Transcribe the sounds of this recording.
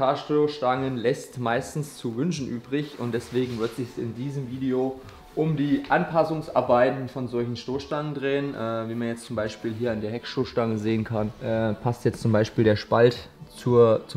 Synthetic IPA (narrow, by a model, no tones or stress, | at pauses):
aɐʃtoʃtaŋənlɛstmaɪstn̩st͡suvʏnʃn̩ʔyːbʁɪçʊ̰ntd̥ɛsv̥eːɡŋ̩vɪɐtz̥ɪçɛsɪ̰ndiːzəmviːdeo | ʔʊmdiːʔanpʰasʊŋsʔa̰ɐbaɪtn̩fɔnzɔlçn̩ʃtoːsʃtaŋəndʁeːənʔɛːviːmanjɛt͡stt͡sʊmbaɪʃpiːlɦiːɐandeːɐɦɛkʃoʃtaŋəzeːənkʰanʔɛːpʰastjɛt͡st͡sʊmbaɪʃpiːldeːɐʃpaltt͡suːɐt͡sʊ